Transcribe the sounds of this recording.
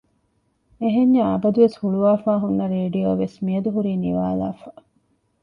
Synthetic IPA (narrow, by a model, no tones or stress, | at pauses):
eɦeɲːɐɐbɐd̪uʋeshuɭuʋaːfaːɦunːɐɾeːɖijoːʋesmiɐd̪uɦuɾiːniʋa̰ːla̰ːfa